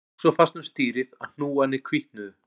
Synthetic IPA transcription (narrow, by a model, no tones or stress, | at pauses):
sɔfast̪nʏmst̪iːɾɪða̰ðn̥uːanːɪkʰviht̪nʏð